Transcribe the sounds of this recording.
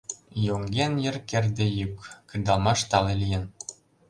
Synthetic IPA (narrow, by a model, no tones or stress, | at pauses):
joŋɡʲenjɘ̆rkerd̪ĕjykːɯnʲd̪ɑlˠmɑʃt̪ɑlelʲijen